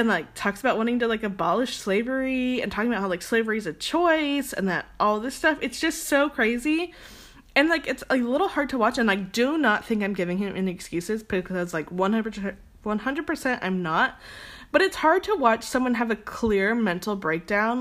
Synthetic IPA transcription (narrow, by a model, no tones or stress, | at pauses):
ɨ̃nlaɪk̚tʰɔksəbaʊʔ̚wɑ̃ñɪ̃ŋtɨlaɪkɨbɑlˠəʃsleɪvə˞iɨ̰̃ntʰɔkɪ̃ŋəbaʊhaʊlaɪksleɪvə˞izɨt͡ʃʰɔɪsɨ̰̃nðɨɾʔɔlˠðɪstʌfɨtsd̥ʒ̥ʌstsoʊkʰɹ̥eɪzi | ɨ̃nlaɪkɨtsaɪlɪɾl̩ˠhɑɹd̚tʰəwɑt͡ʃɨ̃nlaɪk̚d̥ɨnət̪̚θɪ̃ŋkãɪ̃mɡɪvɪ̃ŋɨ̃mʔɨ̰̃nɨkskjʉsɨzb̥ɨkʰʌzʌzlaɪkwʌ̃nhʌ̃n | wʌ̃nɦʌ̃ndɹəd̚pʰə˞sɛ̃ntã̰ɪ̃mnət̚b̥ʌɾɨtshɑɹd̚tʰəwɑt͡ʃsʌ̃mwʌ̃nɨvɨkʰl̥ɪɹmɛ̃ntˡl̩ˠbɹeɪk̚d̥ãʊ̃n